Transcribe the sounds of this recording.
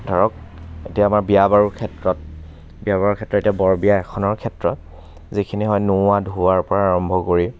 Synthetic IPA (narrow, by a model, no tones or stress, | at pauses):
dʱɔɹɔk̚ | etiaːmaɹbijabaɹuɹkʰɛtɹɔt̚ | biabaɹɔkʰɛtɹɔtetijabɔɹbijaɛkʰɔnɔɹkʰɛtɹɔt̚ | zikʰiniɦɔjnʊadʱuaɹpɔɹaːɹɔmbʱɔkoɹi